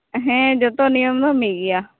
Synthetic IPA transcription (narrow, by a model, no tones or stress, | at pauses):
ɦɛ̃ːd͡ʒot̪õːnijəmd̪ãːmiːɡɪaː